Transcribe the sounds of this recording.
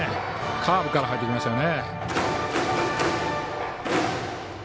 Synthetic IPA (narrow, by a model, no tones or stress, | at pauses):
kʰaːbɯ̟kaɾaɦait̪ːekʲimasɨjone